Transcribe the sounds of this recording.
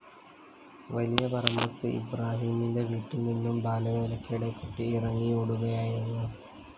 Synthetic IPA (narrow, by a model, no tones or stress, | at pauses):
ʋɐlijɐpɐrɐmbɐt̪ːɨʔḭbraːɦiːminde̞ʋiːʈːilninːumbʱaːlɐʋɐilɐkːɐiɽekːuʈːiːrɐŋːijoɽuɣɐjaːjiɾunːu